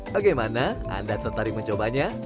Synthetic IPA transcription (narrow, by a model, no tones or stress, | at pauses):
baɡajmanaʔa̰ndat̪ət̪aɾɪk̚məɲt͡ʃobaɲa